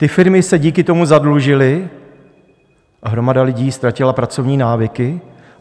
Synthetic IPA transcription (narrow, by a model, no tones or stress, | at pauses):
t̪ɪfɪɾmɪsɛɟiːkɪt̪o̞muzadluʒɪlɪ | ɦɾo̞madalɪɟiːst̪ɾacɪlapɾat͡so̞vɲiːnaːvɪkɪ